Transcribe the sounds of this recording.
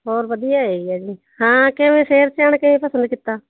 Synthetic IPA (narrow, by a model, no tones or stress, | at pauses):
ɦoːɾʋəd̪ijaːɦeːɡiaːd͡ʒiː | hãːkɪʋẽːseːɾt͡ʃaːɳkɪʋẽːpəsə̃nd̪̚kɪt̪ːaː